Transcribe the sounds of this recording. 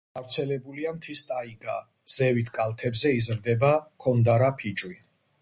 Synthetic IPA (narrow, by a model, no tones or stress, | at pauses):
ɡavɾt̪sʰɛlɛbuliamt̪ʰist̪ʼaiɡa | z̥ɛvit̪ʰkʼalˠt̪ʰɛbzɛizɾd̪ɛbakʰɔnd̪aɾapʰit͡ʃʼwi